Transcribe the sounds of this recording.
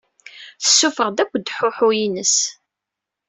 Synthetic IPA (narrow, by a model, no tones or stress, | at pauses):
θə̥sːufəʁd̪ækʷːd̪ħʊħʊjinəs